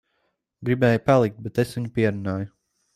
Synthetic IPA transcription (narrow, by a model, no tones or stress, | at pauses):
ɡɾibɛːjupalˠik̚t̪̚bet̪esvʲiɲupiɛɾunaːjʊ